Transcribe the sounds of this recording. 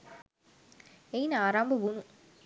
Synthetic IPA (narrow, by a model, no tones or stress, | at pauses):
ejnaːɾaːmbɐʋunũ